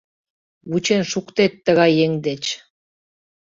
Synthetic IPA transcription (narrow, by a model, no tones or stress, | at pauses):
wut͡ɕenʃukt̪et̪ːə̆ɣɑjeŋd̪et͡ɕ